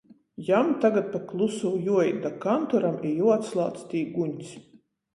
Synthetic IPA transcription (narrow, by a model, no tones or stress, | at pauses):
jamt̪aɡat̪̚paklˠusuwjuɔjd̪akant̪ɔɾamijuɔat̪slˠa̰ːt̪st̪ʲiːɡuɲʲs